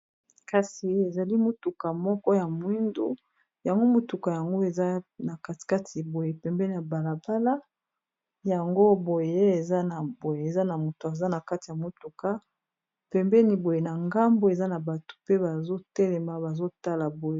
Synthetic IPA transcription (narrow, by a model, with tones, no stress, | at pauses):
ka˨si˨˦e˨za˨li˦mo˦tu˨ka˨mɔ˦kɔ˦ja˨mu˦i˦ndo̰˦ | ja˨ŋɡo˦mo˨tu˨ka˨ja˨ŋɡo˦e˨za˦na˨ka˦ti̥˨ka˦tʰi˨bo˨je˨pɛ˨mbɛ˦ni˨ja˨ba˨la˨ba˦la˦ | ja˨ŋɡo˦bo˨je˦e˨za˦na˨bo˨je˨e˨za˦na˨mo˨to˨a˨za˦na˨ka˦ti˨ja˨mo˨tu˨ka˦ | pɛ˨mbɛ˦ni˨bo˨je˨na˨ŋɡa˦mbo˦e˨za˦na˨ba˨to̥˨pe˦ba˨zo˦tɛ˦lɛ˨ma˨ba˨zo˦ta˦la˨bo˨je˦